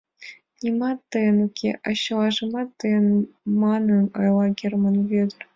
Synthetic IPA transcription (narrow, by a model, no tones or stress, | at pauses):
nʲimɑt̪ːɯjɤnukʲʰḛʔɑɕːɤ̆lˠɑʐɤ̆mɑt̪ːɯjɤ̆nmɑnɤ̆nɤ̰jlˠɑɡʲirmɤ̆nvʲed̪ʲɘ̆rʲ